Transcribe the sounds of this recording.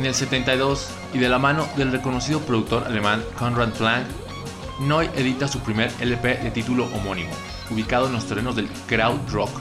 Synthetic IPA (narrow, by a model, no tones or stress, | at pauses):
ene̞lse̞t̪e̞nt̪ajðo̞s | iðe̞lamãno̞ðe̞lre̞ko̞no̞siðopɾo̞ðuk̚t̪o̞ɾa̰le̞mãŋkonrand̪plãŋk | noje̞ðit̪asupɾime̞ɾelepeðe̞t̪it̪ulo̞ʔomo̞nĩmo̰ | uβ̞ikað̞oenlo̞st̪e̞re̞no̞zðelkɾawdɾok